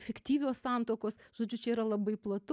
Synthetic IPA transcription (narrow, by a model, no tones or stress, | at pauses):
fʲɛkt̪ʲiːʋʲoːssɑˑnt̪oːkoːsʒ̥oːd͡ʒʲʊt͡ʃʲɛiːɾɐlˠɐbɐɪplˠɐt̪ʊ